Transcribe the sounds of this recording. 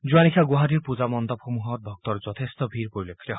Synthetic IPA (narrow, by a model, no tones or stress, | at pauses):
d͡ʒuanikʰaɡuɦaɾiɾpud͡ʒamɔnd̪ɔpʰɾomuɦɔɾd̪ɔk̚t̪ɔɾd͡ʒɔt̪ʰest̪ɔbʱiɾpoɾilokʰːit̪ɔɦ